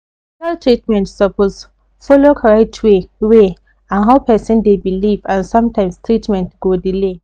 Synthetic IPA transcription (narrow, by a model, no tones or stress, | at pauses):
taltʰɹitmɛ̃ntsɔpʰos | fɔlokʰɹɛtʰwewe | ãnɦaʊpɛsĩndebilivãnsɔ̃mtʰãɪ̃mstʰɹitmɛ̃ntɡ̥odile